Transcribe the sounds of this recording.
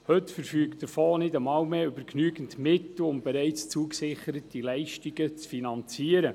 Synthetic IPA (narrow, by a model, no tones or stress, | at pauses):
hɵtfəɾfyːɡədəɾfoːnɪdəmɑːwmeːʏbəɾknyːɡəntmɪtl̩ʊmbɛɾɛɪt͡st͡suəksɪχəɾətilɛɪʃtiɡət͡sfinɑnt͡siəɾə